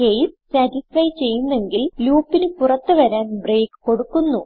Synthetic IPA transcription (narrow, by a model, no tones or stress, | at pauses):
kejssatisɐjt͡ɕe̞jːunːe̞ŋɡilluːpːinɨpurɐt̪ːɨʋɐɾaːnbre̞ːkɨ̥ko̞ɽukːunːu